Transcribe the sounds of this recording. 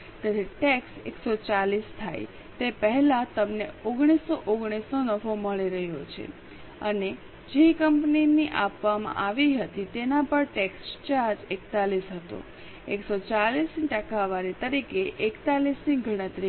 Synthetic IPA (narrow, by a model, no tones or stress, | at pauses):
t̪eɾeʈeksḛksot͡ʃalist̪ʰa̰j | t̪epəɦɛlat̪əmneoɡɽ̃isːoʔoɡɽ̃isonəʋoməɭiɾəɦjot͡ʃʰḛ | əne | d͡ʒekəmpniniʔapʋamã̰ʔaʋiɦət̪it̪enapəɳʈekst͡ʃaɾd͡ʒekt̪alisɦət̪o̰ | eksot͡ʃalisniʈəkaʋaɾit̪əɾikeʔekt̪alisniɡʱəɽ̃ət̪ɾi